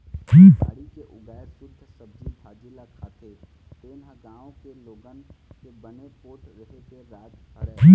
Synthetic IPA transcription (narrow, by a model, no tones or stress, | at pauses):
d͡ʒiːaːɽikeʔʊɡɛːsʊɾt̪ʰsɐb̚d͡ʒik̪ʰaːd͡ʒilakʰaːt̪e | t̪eːnaɡãːõkeloːɡənkebɐnepoːʈɾɐɦet̪eɾɛːd͡ʒʰəd͡ʒiː